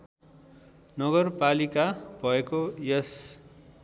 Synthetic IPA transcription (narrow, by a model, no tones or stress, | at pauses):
nʌɡʌrpalikab̥ʱʌekojʌs